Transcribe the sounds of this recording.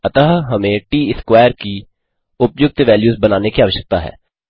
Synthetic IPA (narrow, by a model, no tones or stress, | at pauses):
ɐt̪əɦɦɐmẽʈiːɪskwaːjəɾki | ʊpjʊk̚t̪ʋɛːljuːzbɐnaːnekiaːʋəʃjək̚t̪aɦɛ̰ː